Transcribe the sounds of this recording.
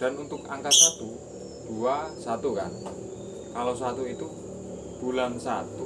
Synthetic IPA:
d̥anunt̪ʊkaŋkat̪̚sat̪u | d̥uasat̪uka̰n | kalosat̪uit̪u | b̥ulansat̪u

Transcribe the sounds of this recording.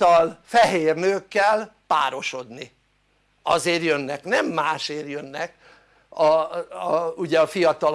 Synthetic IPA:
ɒlfɛɦeːrnøːkːɛlpaːɾo̞ʃo̞d̪ni | ɒ̰zeːrjønːɛknɛmːaːʃeːrjønːɛk | ɒ | uɟɛɒfijɒt̪ɒl

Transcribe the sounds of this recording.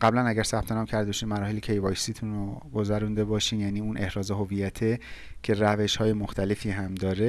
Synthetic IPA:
ɢæblænæɟæɾsæb̥̚t̪ʰe̞nɒːmcʰæɾd̪ebɒʃiːnmæɾɒːhelecʰe̞jvɒjsiːt̪ʰunroɡo̞zæɾund̪e̞bɒːʃiːmjæniːuːnʔe̞hɾɒːze̞ɦo̞vijæt̪ʰe | cʰe̞ɾæve̞ʃhɒːjemoxt̪ʰæle̞fiːɦæmd̪ɒːɾe

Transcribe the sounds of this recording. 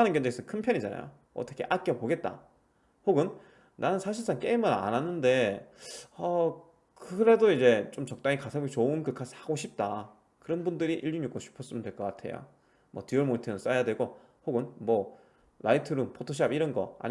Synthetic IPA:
anɯnkjʌnd͡ʑeesʰʌkʰɯnpʰjʌnɲid͡ʑana̰jo̰ | ʌ̰t͈ʰʌkʰe̞̰ʔak͈jʌpoɡe̞t̚t͈a̰ | hoɡɯn | nanɯnsʰaɕʰiɭs͈ank͈e̞imɯɾa̰nanːɯnde̞ | ʌ | kɯɾe̞doid͡ʑe̞t͡ɕ͈omt͡ɕʌk̚t͈aŋikasʰabit͡ɕoɯnkɯkʰasʰaɡoɕʰip̚t͈a | kɯɾʌnbundɯɾiʔiʎːunɲuk͈ʰoɕʰi̥pʰʌs͈ɯmɯndwe̞ɭk͈ʌk͈atʰe̞̰jo̰ | mʌ̰tioɭmoitʰenɯns͈ajadwe̞ɡo | hoɡɯnmʌ | lʔaitʰɯɾumpʰotʰoɕ̬ʰapiɾʌnɡʌa̰ɲ

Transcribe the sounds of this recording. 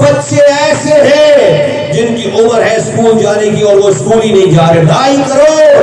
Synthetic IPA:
bət̪ʃeɛːseɦɛ̃ | d͡ʒɪnkiʔʊməɾɦɛ̃skuːld͡ʒaːnekiɔːɾʋoskuːlinɐɦĩd͡ʒaːɾeɖaːikɐɾoː

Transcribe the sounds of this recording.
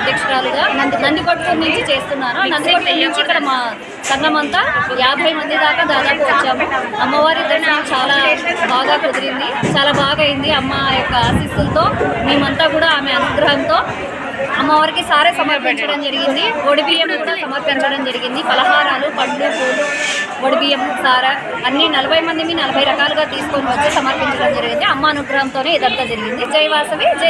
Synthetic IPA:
ɐɐd̪ʱjɐkʂɐɾaːluɡaːnɐnd̪nɐnd̪ipɐʈlunːuɲt͡ʃit͡ʃe̞ːst̪unːaːnunɐnd̪iikɐʈkunːuɲt͡ʃikːɐɽɐmaː | sɐnːɐmɐnt̪aːjaːbʱɐjmɐnd̪id̪aːkaːd̪aːd̪aːpuʋɐt͡ʃːaːmu | ɐmːɐʋaːɾid̪ːɐnːmaːkut͡ʃaːlaːbaːɡaːkod̪iɾind̪it͡ʃaːlaːbaːɡɐjind̪iɐmːɐjɔkːɐaːsist̪ult̪o̞ːmeːmɐnt̪aːkuːɽaːaːme̞ɐnuɡɾɐɦɐnt̪o̞ː | ɐmːɐʋɐɾikisaːɾesɐmɐɾpiɲt͡ʃɐɽɐmd͡ʒɐɾiɡind̪iʋoɽibiːjemkuːɽaːsɐmɐɾpiɲt͡ʃɐɽɐmd͡ʒɐɾiɡind̪ibɐlɐɦaːɾaːlupɐɳɖukoːluʋoɽibijɐmsaːɾɐ | ɐnːinɐlɐbʱɐjmɐnd̪imiːnɐlɐbʱɐjɾɐkaːluɡaːt̪iːsu̥ko̞ːniʋɐt̪ːeːsɐmɐɾpiɲt͡ʃɐɽɐmd͡ʒɐɾiɡind̪iɐmːɐːnuɡɾɐɦɐmt̪o̞ːne̞ːid̪ɐd̪ːɐd͡ʒɐɾiɡind̪id͡ʒɐjɐʋaːsɐʋid͡ʒ

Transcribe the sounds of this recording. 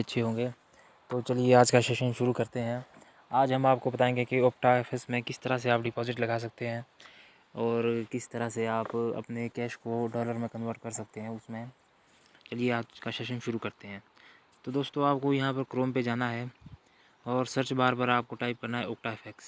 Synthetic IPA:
ɐtːʃʰeɦõːŋɡeː | t̪oːt͡ʃɐlieaːd͡ʒkaʃeːʃənʃʊɾukɐɾt̪eɦɛ̃ | aːd͡ʒɦɐmaːp̚kobɐt̪aːẽːŋɡekioːk̚ʈaefʰɛksmẽkɪst̪ɐɾas̬eaːpɖɪpɔːzɪʈlɐɡaːs̬ɐk̚t̪eɦɛ̃ː | ɔːɾkɪst̪ɐɾaɦseaːpɐ̰pnekɛːʃkoɖɔːləɾmẽkɐ̃nʋəɾʈkɐɾsɐk̚t̪eɦɛ̃ʊsmẽ | t͡ʃɐlieaːkaʃeːʃənʃʊɾukɐɾt̪eɦɛ̃ː | t̪od̪oːst̪õaːp̚kojɐɦãpɐɾkɾoːmped͡ʒaːnaɦɛː | ɔːɾsəɾt͡ʃbaːɾpəɾaːp̚koʈaːɪp̚kɐɾnaɦɛoːk̚ʈaɪfʰɛks

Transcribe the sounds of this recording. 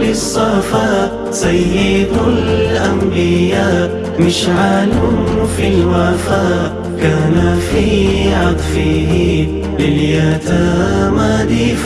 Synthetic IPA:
lɪsˤːɑfaːʔ | sajːɪd̪ʊlʔambɪjaːʔ | mɪʃʕalʊfilwafaːʔ | kaːnafiːʕɑt̪ˤfihi | lɪljat̪amaːd̪iː

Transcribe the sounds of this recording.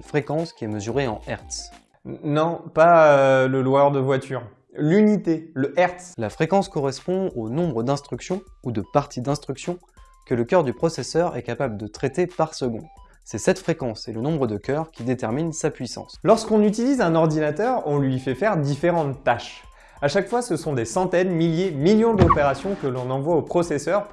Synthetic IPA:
fχekɑ̃skʲiɛməzyʁeɑ̃ɛʁt̪s | nɔ̃paøləlwaʁd̪əvwat̪yːʁ | lynit̪eləʔɛʁt̪slafχekɑ̃skɔʁɛspɔ̃onɔ̃bʁəd̪ɛ̃st̪χyksjɔ̃ud̪əpaʁt̪ʰid̪ɛ̃st̪χyksjɔ̃ | kələkʲœʁd̪ypχɔsɛsœʁɛ̰kapabləd̪ət̪χet̪epaʁsəɡɔ̰̃ | sɛsɛt̪fχekɑ̃selənɔ̃bʁəd̪əkʲœʁkʲid̪et̪ɛʁminsapɥisɑ̰̃slɔʁskɔ̃nyt̪ilizɛ̃nɔʁd̪inat̪œʁɔ̃lɥifɛfɛʁd̪ifeʁɑ̃t̪ːaʃ | aʃakfwasəsɔ̃d̪esɑ̃t̪ɛnmiljemiljɔ̃d̪ɔpeʁasjɔ̃kəlɔ̃nɑ̃vwaopχɔsɛsœʁ

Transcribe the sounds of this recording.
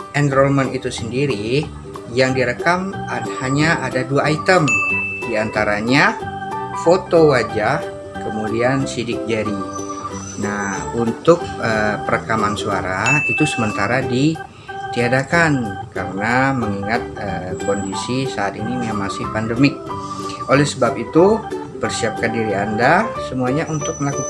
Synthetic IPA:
ʔɛnd̪ɾɔlmanit̪usəndiɾi | jaŋdiɾəkamahaɲaʔadaduaːit̪əmdiant̪aɾaɲa | fot̪owad͡ʒah | kəmudiansidɪk̚d͡ʒaɾi | nahunt̪ʊk̚əpəɾakamansuaɾait̪usəmənt̪aɾadi | t̪iadakankaɾənaməŋiŋat̪̚əkɔndisisaːt̪inimamasɪhpandəmɪk̚ | ʔolɛhsəbapit̪u | pərsiap̚kandiɾiandasəmuaɲaʔunt̪ʊk̚məlakuk

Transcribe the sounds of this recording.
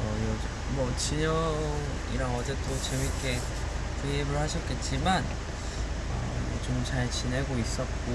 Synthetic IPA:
ʌjʌd͡ʑ | mʌt͡ɕiɲʌŋŋ | iɾaŋʌd͡ʑe̞t͈ʰot͡ɕemik͈e̞ | tʰeibɯɭhaɕʰʌp̚k͈e̞t̚t͡ɕ͈iman | ʌ̰et͡ɕomt͡ɕaɭt͡ɕine̞ɡois͈ʌt̚k͈o

